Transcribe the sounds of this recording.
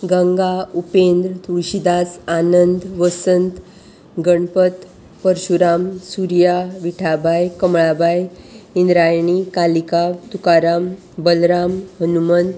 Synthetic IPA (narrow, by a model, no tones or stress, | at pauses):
ɡəŋɡaupend̪ɾət̪uɭɕid̪asanənd̪ʋəsənt̪ | ɡəɳpət̪ | pəɾɕuɾamsuɾjaʋiʈʰabʱajkəmɭabʱajind̪ɾajɳ̃ikalikat̪ukaɾam | bəlɾamɦənumən